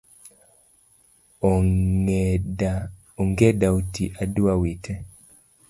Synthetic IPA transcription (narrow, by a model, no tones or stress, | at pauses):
oŋɡedaotiʔaduawitʰɛ